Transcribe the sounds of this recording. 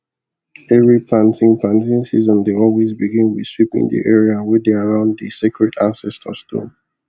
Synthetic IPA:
ɛvɹipʰlãntʰɪ̃ŋpʰlãntĩnsizɔ̃ndeɔlwezbiɡĩnwi̥swipɪ̰̃ŋdḭʔɛɹiawɛdeaɹãʊ̃nðisikɹɛtʰãnsɛstʰə̰stʰõ̰n

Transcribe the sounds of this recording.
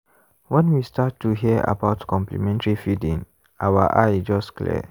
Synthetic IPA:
wɛ̃nwistatːuɦiəʔa̰baʊtkɔ̃mplḭmɛ̃ntɹifidĩn | ʔawaʔaɪd͡ʒɔstklɛ̰

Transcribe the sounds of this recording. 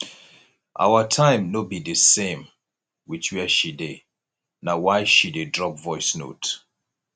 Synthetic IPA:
ʔa̰ʊwətʰãɪ̃mnobidəsẽm | wit͡ʃwiəʃide | nawaɪʃidedɹɔpvɔɪsno̰t

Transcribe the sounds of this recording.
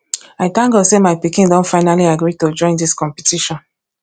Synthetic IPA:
aɪtãŋɡosemaɪpikĩndõntfaɪnaliaɡɹitod͡ʒɔ̃ɪ̃ndiskɔ̃mpitʰiʃɔ̃n

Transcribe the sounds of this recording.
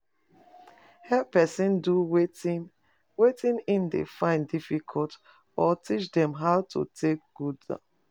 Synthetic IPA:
hɛppɛsĩnduwe | wetĩnĩndḛfãɪ̃ndifikʰɔlt | ɔtʰit͡ʃdɛ̃mɦawtʰṵtʰek̚ɡ̥uda̰

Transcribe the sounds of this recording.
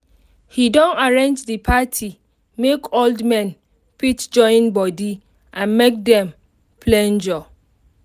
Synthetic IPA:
hidɔ̃naɹẽnd͡ʒdɨpʰatʰi | mekʰoldmɛ̃n | pitd͡ʒɔ̃ɪ̃nbɔdi | ʔãnmek̚dɛ̃m | pʰlɛ̃nd͡ʒɔ

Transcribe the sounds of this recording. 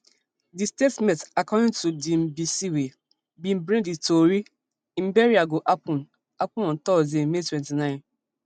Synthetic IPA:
distetmɛ̃takɔdɪ̃ntudim̩bisiwe | bĩm̩bɾẽditoɾi | m̩beɾiaɡoʔapɔ̃n | apʊɔ̃n̩tɔzemetwɛ̃ntinãɪ̃n

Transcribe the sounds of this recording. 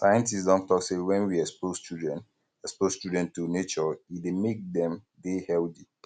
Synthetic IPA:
sajə̃ntisdɔ̃ntɔksewɛ̃nwiɛspostudɛ̃n | ɛksposstudɛ̃ntːunet͡ʃɔidemek̚dɛ̃m | dehɛlti

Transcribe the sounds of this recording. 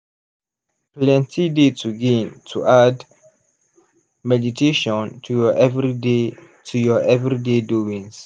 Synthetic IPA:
plɛ̃ntidetʰuɡĩntʰuʔad | mɛditʰeʃɔ̃ntʰuɔʔɛvide | tʰujɔʔɛvɹideduĩŋs

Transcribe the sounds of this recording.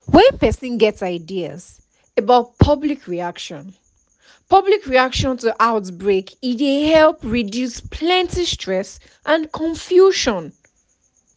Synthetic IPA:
wɛ̃npɛsĩnɡɛtsaɪdiə̰z̥ | əbaʊt̚pʰʌblikʰɹiakʃɔ̃n | pʰʌblikɹiakʃɔ̃ntuʔaʊtbɹekitehɛlpɹidjuspʰlɛ̃ntistɹ̥ɛs | ʔãnkʰɔ̃ɱfjuʃɔ̃n

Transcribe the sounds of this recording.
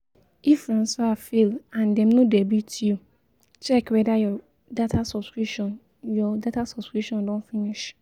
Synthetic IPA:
ifɾãnsafelãndɛ̃mnõdɛbitʰiu | t͡ʃɛkwɛdajɔ | datʰasɔbskɹipʃɔ̃n | jɔdatasɔbskɹipʃɔ̃ndɔ̃nfiniʃ

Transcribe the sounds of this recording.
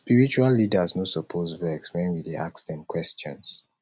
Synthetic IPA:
spiɹit͡ʃualːidəznosɔpʰozvɛkswɛ̃nwideʔakstɛ̃nkwɛst͡ʃɔ̰̃ns

